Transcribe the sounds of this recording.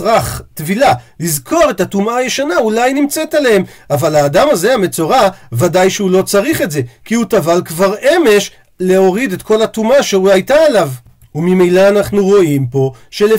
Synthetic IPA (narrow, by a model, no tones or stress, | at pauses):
ʁaχtvilalizkʰo̞ʁe̞tatumaajeʃanaulajnimt͡setalehemavalaːdamaze̞ame̞t͡so̞ʁavadajʃeulo̞t͡saʁiχe̞tze̞kiutavalkvaʁe̞me̞ʃ | le̞o̞ʁide̞t̪ko̞latumaʃeuajtaːlav | umimejlaːnaχnuʁo̞impo̞ʃele